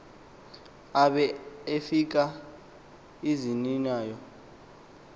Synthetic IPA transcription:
aɓɛefik̬a | izininaːjɔ

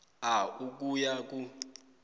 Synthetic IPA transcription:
auk̬ʼujak̬ʼu

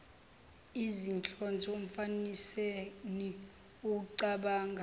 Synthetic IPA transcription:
izint͡ɬʰʼɔnd͡zʱɔm̩faniseni | uk̬uǀaɓaːŋɡʱa

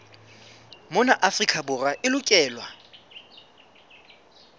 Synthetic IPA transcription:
mʊnaʔafrikʼʰabʊraʔɪlʊkʼɛːlwa

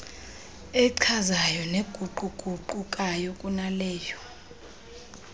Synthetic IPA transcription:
ɛǀʰazajɔneɡ̥ʱuǃuɡ̥ʱuǃukʼajɔkʼunalɛːjɔ

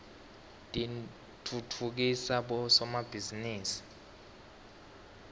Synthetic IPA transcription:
tʼi | tʰutʰuk̬isaɓɔsɔmab̥ʱiziniːsi̥

